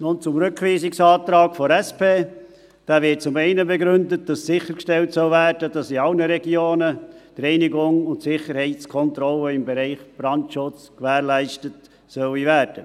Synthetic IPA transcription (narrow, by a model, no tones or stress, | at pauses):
nʊnt͡sʊmɾʏkʋiːsɪksɑːtɾɑːkfɔɾɛspeː | d̥æːvɪt̚t͡sʊmɛɪnəbɛɡɾʏndət̚d̥ɑssɪχəɾkʃtɛltsœlvæːɾdəd̥ɑsiɑlnəɾɛɡjoːnəd̥ɾɛɪniɡʊŋʊntsɪχəɾhɛɪtskʰɔntɾɔləɪmbɛɾɛɪχb̥ɾɑntʃʊt͡skʋæːɾlæɪʃtət | sœwivæːɾd̥ə